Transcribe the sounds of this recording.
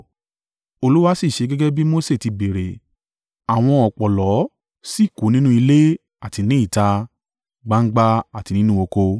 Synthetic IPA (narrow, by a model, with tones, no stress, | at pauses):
o˧lu˦wa˦si˦˨ʃe˨˧ɡɛ˦ɡɛ˦bi˦mo˦se˦˨ti˧be˨ɾe˨ | a˨w̃ɔ̃˧ɔ˨k͡pɔ˨lɔ˨˦ | si˦˨ko˨˦nĩ˦nũ˦i˧le˦ | a˦˨ti˧nĩ˦i˦˨ta˧ | ɡ͡ba˧ŋ̩˦ɡ͡ba˧a˦˨ti˨˧nĩ˦nũ˦o˧ko˧